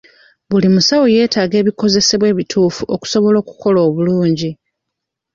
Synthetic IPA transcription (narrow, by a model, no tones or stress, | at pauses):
βulimusawo̞je̞ːtaːɡe̞ːβiko̞ze̞se̞βwe̞ːβitʰuːfuʔoku̥so̞βo̞lo̞ːku̥ko̞loːβuluːɲɟi